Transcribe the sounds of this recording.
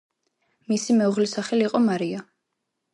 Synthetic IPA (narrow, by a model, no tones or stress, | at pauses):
misimɛuʁlisaχɛliːqʼɔmaɾia